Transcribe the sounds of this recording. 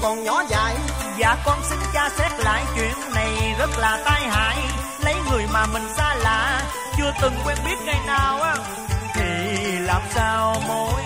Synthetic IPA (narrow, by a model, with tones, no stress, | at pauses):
kɔ˨˩nɲɔ˨˦za̰ː˧˨j | za̰ː˧˩kɔ˧nsï˨˦ŋ̟t͡ɕaː˧sɛ˦˥t̚la̰ː˧˨jt͡ɕwḭ˧˨ənːa˨˩jzə˦˥t̚laː˨˩t̪aː˧jha̰ː˧˨j | lə˨˦jŋɨ˨˩əjmaː˨˩mï˨˩ŋ̟saː˧la̰ː˧˨ | t͡ɕɨ˧ət̪ɨ˨˩ŋkwɛ˧nɓi˦˥ət̚ŋa˧jnaː˨˩wʔaː˨˦ | t̪ʰi˨˩laː˨˩msaː˧wmo˨˧˦j